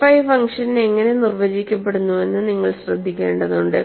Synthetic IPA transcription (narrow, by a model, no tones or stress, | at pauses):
fɐjfɐŋʂɐnneŋːɐne̞nirʋɐd͡ʑikʲːɐpːe̞ɽunːuʋe̞nːɨniŋːɐɭɕrɐd̪ʱːikʲːe̞ːɳɖɐðuɳɖɨ